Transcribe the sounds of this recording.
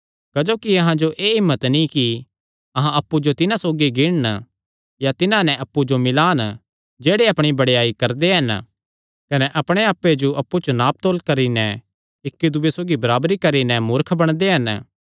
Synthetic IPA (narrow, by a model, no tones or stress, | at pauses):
kɐd͡ʒoːkiɐɦãd͡ʒoʔeːɦɪmːət̪nĩki | ɐɦãɐpːud͡ʒot̪ɪnãsoːɡiɡɪɽn | jat̪ɪnãnɛ̃ʔɐpːud͡ʒomɪlaːn | d͡ʒeːɽeɐpɽ̃ibɐɽeaːikɐɾd̪eɦɐn | kɐnɛʔɐpɽ̃eaːpːed͡ʒoʔɐpːut͡ʃonaːp̚t̪oːlkɐɾinɛ | ɪkːid̪ʊːesoːɡibɐɾaːbɾikɐɾinɛmʊɾkʰbɐɽ̃d̪eɦɐn